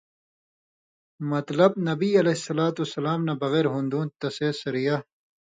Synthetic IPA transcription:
mɐt̪lɐb̚nɐbiːɐleisɐlaːt̪usɐlaːmnabɐɣeːɾɦũnd̪ũːt̪ɐseːsɐɾija

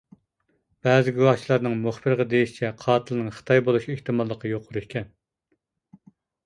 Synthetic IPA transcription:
b̥ɛːzɪɡʲuwɑt͡ʃʰilˠɑɾnɨŋmuχbɨɾʁɑd̪ejiʃi̥t͡ʃʰɛqʰɑːt̪ʰɨlˠɨnɨŋχə̥t̪ʰɑjbolˠuʃieht̪ɨmɑlˠːəqʰəjoqʰʊɾihkʲɛn

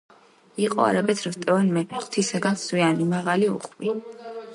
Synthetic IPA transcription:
iqʼɔa̰ɾabɛt̪ʰɾvt̪ʼɛvɛnmɛt̪ʰisaɡanswianimaʁaliṵqʼmi

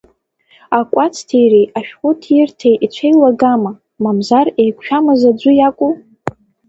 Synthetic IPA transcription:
akʷʼat͡sʰtʰejrejaʃᶣχʷʊtʰɪrtʰejʔit͡ɕʷʰejlaɡama | mamzarejkʷʰʼʃᶣamazad͡ʒʷʊjakʷʼu

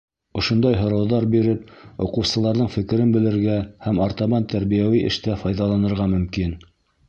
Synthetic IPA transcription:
ŏʃŏnd̪ɑjɦŏɾɑwðɑɾbiɾɘp̚ŏqɤ̆wsɤ̆lˠɑɾðɤɴfɘ̆kɘ̆ɾɘnbɘ̆lɘ̆ɾɡæhæmoɾt̪ɑβɑnt̪æɾβijæwiʔɘ̰̆ʃt̪æfɑjðɑlˠɑnɤ̆ɾʁɑmɵ̆mkin

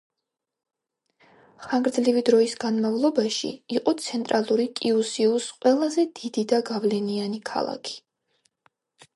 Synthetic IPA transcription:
χaŋɡɾd̪zlivid̪ɾɔisɡanmavlˠɔbaʃḭiqʼɔt̪sʰɛnt̪ʼɾalˠuɾikʼiusiusqʼwɛlˠazɛd̪id̪id̪aɡavlɛnianikʰa̰lˠa̰kʰi̥

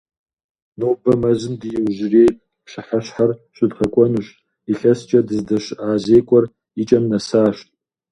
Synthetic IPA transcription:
noːbɐmɐzɨndɨjɪwʒɪrejpʼ | pʃaħaɕħarɕʷʼʊdχɐkʷʼɔnuʃʼ | iɬɐst͡ʃʼɐdɨzdɐʃaːzeːkʷʼɔr | it͡ʃʼɐmnɐsaːʃtʼ

